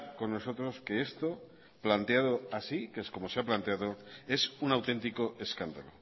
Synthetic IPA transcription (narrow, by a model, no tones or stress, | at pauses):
ko̞nːo̞so̞t̪ɾoske̞est̪o̞ | plant̪eað̞o̞asikesko̞mo̞seaplant̪e̞aðo̞e̞sunawt̪e̞nt̪iko̞ʔe̞skand̪alo